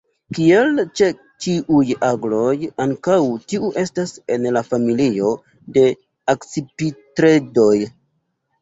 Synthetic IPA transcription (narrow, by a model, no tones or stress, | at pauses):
kie̞lt͡ʃe̞ | t͡ʃiʔujaɡlo̞jaŋkawtiuʔe̞stase̞nlafamilio̞ | de̞ | akt͡sipitɾe̞do̞j